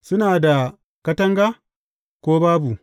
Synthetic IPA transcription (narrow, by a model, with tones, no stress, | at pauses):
sʊ˦naː˨da˨ | kɐ˦tɐ˦ŋɡa˦ | kʷoː˦baː˦bu˨